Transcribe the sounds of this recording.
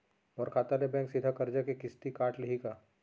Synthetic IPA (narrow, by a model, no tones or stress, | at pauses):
ɔːɾkʰaːt̪alebɛ̃ːŋksɪd̪ʱakɐɾd͡ʒakekɪst̪ikaːʈlɪɦika